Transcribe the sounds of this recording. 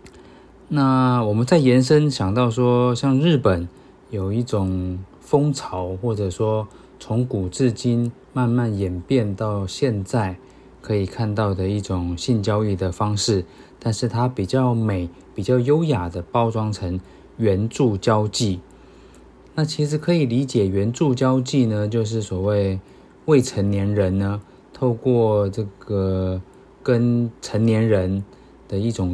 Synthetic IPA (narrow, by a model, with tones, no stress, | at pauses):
na˥˩wɔ˨˩mə˨˦nt͡sa˥˩ɪjɛ˧˥nʂ̬ə˥nɕjɑ˨˩ŋt̪ɑ˥˩ʊʂwɔ˥ɕjɑ˥˧ŋɻɻ̩˥˩pə˨˩˦n | jo˨˩ʊi˥˩ʈ͡ʂʊ˨˩ŋ | fɤ˥ŋt͡sʰɑ˧˥ʊxwɔ˥˩ʈ͡ʂɤ˨˩ʂwɔ˥ | t͡sʰʊ˧˥ŋku˨˩t͡sɹ̩˥˩t͡ɕi˥n | ma˥˧nma˥˩njɛ˨˩npjɛ˥˧nt̪ɑ˥˧ʊɕjɛ˥˧nt͡sa˥˩ɪ | kʰɤ˧˥i˨˩kʰa˥˧nt̪ɑ˥˩ʊd̪ə˩i˥˩ʈ͡ʂʊ˨˩ŋɕi˥˧nt͡ɕjɑ˥ʊi˥˩d̪ə˩fɑ˥ŋʂɻ̩˥˩ | t̪a˥˧nʂɻ̩˥˩t̪ʰa˥pi˨˩t͡ɕjɑ˥˩ʊme˨˩˦ɪ | pi˨˩t͡ɕjɑ˥˩ʊjo˥ʊja˨˩d̪ə˦pɑ˥ʊʈ͡ʂwɑ˥ŋʈ͡ʂʰə˧˥ŋ | ɥɛ˧˦˥nʈ͡ʂu˥˩t͡ɕjɑ˥ʊt͡ɕi˥˩ | na˥˩t͡ɕʰi˧˥ʂɻ̩˨˩kʰɤ˧˥i˨˩li˧˥t͡ɕjɛ˨˩ɥɛ˧˥nʈ͡ʂu˥˩t͡ɕjɑ˥ʊt͡ɕi˥˩nə˨t͡ɕjo˥˧ʊʂ̬ɻ̩˥˩swɔ˨˩we˥˧ɪ | we˥˩ɪʈ͡ʂʰə˧˥nnjɛ˧˥nɻə˧˦˥nnə˧ | t̪ʰo˥˧ʊkwɔ˥˩ʈ͡ʂɤ˥˩ɡə˩ | kə˦˥nʈ͡ʂʰə˧˥ŋnjɛ˧˥nɻə˧˦˥n | d̪̥ə˧i˥˩ʈ͡ʂʊ˨˩ŋ